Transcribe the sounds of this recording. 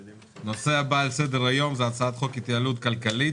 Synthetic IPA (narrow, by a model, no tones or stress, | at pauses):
no̞se̞abaːlse̞d̪eʁajo̞mzeat͡saat̪χo̞kit̪jaːlut̪kalkali